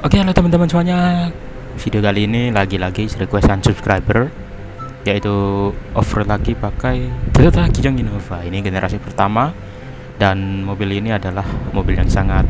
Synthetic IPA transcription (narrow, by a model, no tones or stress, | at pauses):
ʔokekalot̪əmant̪əmansuaɲa | fidiokaliːnilaɡilaɡisɾikwɛsansubskɾajbər | jait̪uʔɔfərlaɡipakajd̪ət̪ət̪aɡid͡ʒaŋinovainiɡenəɾʔa̰sipərt̪ama | danmobiliniadalahmobiljaŋsaŋat̪̚